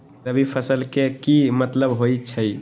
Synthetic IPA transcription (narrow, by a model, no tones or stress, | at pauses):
ɾəbipʰəsəlkekimət̪ləbɦojt͡ʃʰəj